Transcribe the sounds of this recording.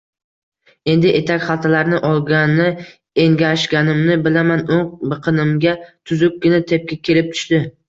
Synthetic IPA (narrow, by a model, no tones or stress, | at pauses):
e̞nd̪ɪʔe̞t̪ʰakʲχɑlˠt̪ʰalaɾnɪʔɒlˠɡʲanɪ | eŋɡʲaʃɡʲanɪmnɪbɪlamanoŋbɨqʰɨnɪmɡʲat̪ʰʊzʊk̚ʲkʲɪnat̪ʰe̞p̚kʲɪkʲʰe̞lɪp̚t̪ʰʊ̥ʃt̪ɪ